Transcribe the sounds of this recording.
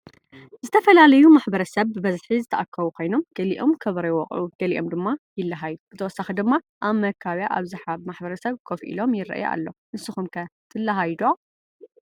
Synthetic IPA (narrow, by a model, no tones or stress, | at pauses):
zɨt̪ʰɐfɐlalɐjumaħbɐɾɐsɐβbɨbɐzħizɨt̪ʰɐʔakʰːɐβukʰo̞jno̞mɡ̥ɐliʔo̞mkʰɐβɾɐwɔqʼʕuɡ̥ɐliʔo̞md̪ɨmːajɪlːɐɦajːuzɨt̪ʰɐwɔsɐxɐd̪ɨmːa | ʔaβmɐkʰːaβjaʔaβzɨħaβmaħbɐɾɐsɐβkʰofʔḭlo̞mjɪɾɐ̰ʔjʔa̰lːo̞nɨsɨxumkʰɐt̪ʰɨlːaɦajd̪o